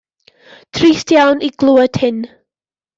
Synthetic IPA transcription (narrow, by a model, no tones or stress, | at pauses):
tʰriːstjawniɡ̥lˠuːəd̥hɪn